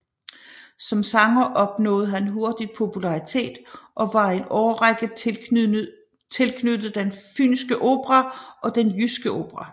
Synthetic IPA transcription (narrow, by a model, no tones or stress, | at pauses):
sɒ̽msɑ̈ŋɐʔɒ̽b̥nɔ̰̽ːð̞̩ˠɦænɦo̝ɐd̥id̥̚pʰo̝pʰulɑ̈ʁit͡sʰe̝̰ːd̥ʔɒ̽ʋɑ̈e̝nɒʊɐʁaɡ̥əð | t͡sʰe̝lkʰnød̥ð̩ˠd̥enfy̰nsɡ̥əʔo̝ːb̥ʁɑʔɒ̽d̥enjysɡ̥əʔo̝̰ːb̥ʁɑ